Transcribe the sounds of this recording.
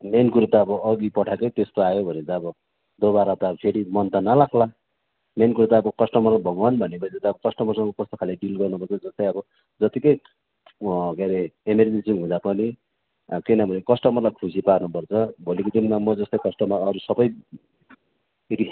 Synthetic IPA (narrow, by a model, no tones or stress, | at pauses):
menkuɾt̪aʌbʌːɡipʌʈʰakʌt̪est̪oajobʱʌnet̪ʌʌbʌ | d̪oβaɾat̪ʌpʰeɾimʌnt̪anʌlakʰla | menkuɾut̪aːbʌkʌsʈʌmʌrbʱʌɡwanbʱʌnepʌid͡zʌt̪aʌbʌkʌsʈʌmʌrsʌŋkokʌst̪okʰaleɖilɡʌrnupʌrt͡sʰʌd͡zʌst̪ʌjʌbʌ | d͡zʌt̪ikʌj | keɾeemeɾinisimɦũd̪apʌni | kinʌbʱʌnekʌsʈʌmʌrlajkʰusiparnupʌrt͡sʰʌbʱolikod̪inmamʌd͡zʌst̪ʌjkʌsʈʌmaʌɾusʌbʌj | ri